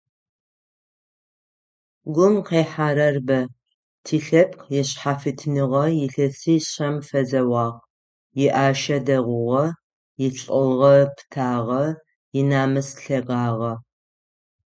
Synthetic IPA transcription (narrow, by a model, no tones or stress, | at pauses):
ɡʷʊmqeːħaːɾɐrbɐ | tʰiːɬɐp̚qjɛɕħafɨtʰnɨʁɐjɪɬɐsɨɕɐmfɐzɐwɑːʁ | jɪʔaːʃɐdɐʁʷʊʁɐ | jɪɬʼɨlʁɐpʰtʰaːʁɐ | jɪnaːmɨsɬɐʁɑːʁɐ